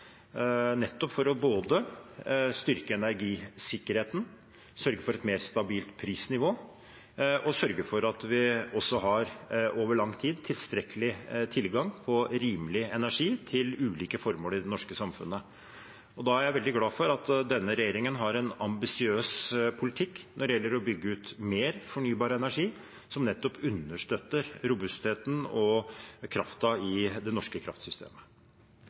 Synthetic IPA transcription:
nɛt̪ːɔpfɔɾɔboːd̪ə | st̪ʏɾkəɛnæɾɡiːsɪkːəɾheːt̪n̩ | sœɾɡəfɔɾɛt̪meːɾst̪ɑbiːlt̪pʰɾiːsnɪʋoː | ʔɔsœɾɡəfɔɾɑt̪ʋɪɔsːɔɦɑɾʔoːʋəɭɑŋːt̪ʰiːd̪t̪ʰɪlst̪ɾɛkəlɪt̪ʰɪlɡɑŋpʰɔɾiːmlɪɛnæʂiːt̪ʰɪlʉːliːkəfɔɾmoːɾɪd̪ɛnɔʂkəsɑmfʉ̰nːə | ɔd̪ɑæɾjæɪʋɛld̪ɪɡlɑːfɔɾɑt̪d̪ɛnːəɾɛjeːɾɪŋənɦɑɾɛnɑmbɪsɪøːspʰʊlɪt̪ʰɪkːnʔɔɖɛjɛlːəɾɔbʏɡːəʉːt̪meːɾfɔɳyːbɑːɾəɛnæʂiː | sɔmnɛt̪ːɔpʰʉnːəʂʈ̪øt̪ːəɾɾʊbʉst̪heːt̪n̩ɔkʰɾɑft̪ɑɪd̪ɛnɔʂkəkʰɾɑ̰ft̪sʏst̪ʰḛːmə

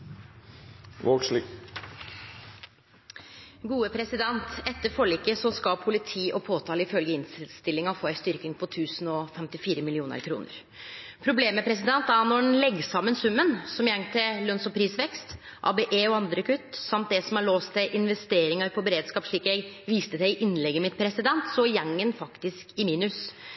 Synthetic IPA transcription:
ʋoʂli | ɡuːəpʰɾɛsɪd̪ɛnt̪ɛt̪ːəɾfɔɭiːkːəsɔskɑpʰʊlɪt̪ʰiːʔɔpʰoːt̪ʰɑːləɪfœlɡəɪnsst̪ɪlːɪŋɑɔfoːæɪst̪ʏɾkɪŋpʰɔt̪ʰʉːsnɔfɛmt̪ɪfiːɾəmɪlɪuːnə̰ɾkʰɾṵːnə̰ɾ | pʰɾʊbleːmːɛpʰɾɛs̬ɪd̪ɛnt̪æɾnɔnlɛɡːsɑmːənsʉmːənsɔmjɛŋːt̪ʰɪlœnsɔpʰɾiːsʋɛkst̪ | ʔɑ̰ːbeʔeːɔɑnd̪ɾəkʰʉt̪ːsɑmt̪̚d̪ɛsɔmɑɭoːst̪ʰɪʔɪnʋɛst̪eːɾɪŋɑɾpʰɔbɛɾeːd̪skɑːpʂɭiːkjæɪɡʋiːst̪əd̪æɪʔɪnlɛɡːəmɪt̪̚pʰɾɛsɪd̪ɛnt̪sɔjɛŋːənfɑkt̪ɪskɪmiːnʉs

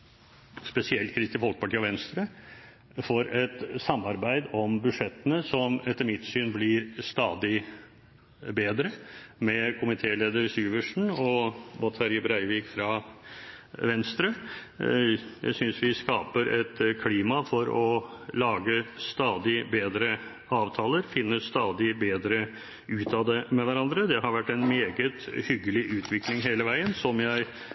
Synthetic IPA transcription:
spɛsɪɛlt̪̚kʰɾɪst̪ɪfɔlkə̥pɑʈʰiːɔʋɛnst̪ɾə | fɔɾɛt̪sɑmːɑɾbæɪd̪ɔmbʉʂɛt̪ːənəsɔmɛt̪ːəmɪt̪ːsyːnblɪɾst̪ɑːd̪ɪ | beːd̪ɾəmɛkʰʊmɪt̪ʰeːleːd̪əɾsyːʋəʂɳ̩ɔʋɑt̪ʰɑɾɪbɾæɪʋiːkfɾɑ | ʋɛnst̪ɾə | jæ̰ɪsʏnsʋɪskɑːpəɾʔɛt̪kʰliːmɑfɔɾɔlɑːɡəst̪ɑːd̪ɪbeːd̪ɾə | ɑːʋt̪ʰɑːləɾfɪnːəst̪ɑːd̪ɪbeːd̪ɾə | ʉːt̪ʰɑd̪ɛmɛʋæɾɑnd̪ɾəd̪ɛhɑɾʋæʈːɛnmeːɡət̪hʏɡːəlɪʔʉːt̪ʰʋɪklɪŋɦeːləʋæɪənsɔmjæɪ

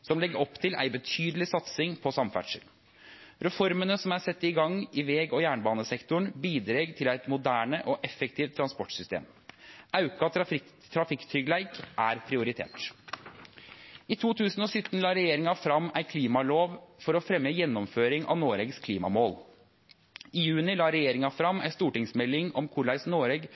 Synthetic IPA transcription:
sɔmlɛɡəɾɔpːt̪ʰɪlʔæ̰ɪbət̪ʰyːd̪əlɪsɑt̪sɪŋpʰɔsɑmfæ̰ʈʂə̰l | ɾɛfɔɾmənəsɔmæɾsɛt̪ːəɪɡɑŋːɪʋeːɡɔjæːɳbɑːnəsɛkt̪ʊɳbiːd̪ɾeːɡt̪ʰɪlæɪt̪mʊd̪æːɳəʔɔʔɛfɛk̚t̪ʰiːʋt̪ʰɾɑnspɔʈsʏst̪ḛːm | ʔɑʉkɑ | t̪ʰːɾɑfɪkt̪ʰɾʏɡlæɪkʔæɾpʰɾɪʊɾɪt̪ʰḛːʈ | ɪt̪ʰuːt̪ʰʉːsn̩ɔsʏt̪ːən̩lɑːɾɛjeːɾɪŋɑfɾɑmːæɪkʰliːmɑloːʋfɔɾɔfɾɛmjəjɛnːɔmføːɾɪŋʔɑ̰ʋnoːɾɛːɡskʰliːmɑ̰moːl | ɪjʉːnɪlɑːɾɛjeːɾɪŋɑfɾɑmːæ̰ɪst̪uːʈɪŋsmɛlːɪŋɔmkʰʊɭæɪsnoːɾeːɡ

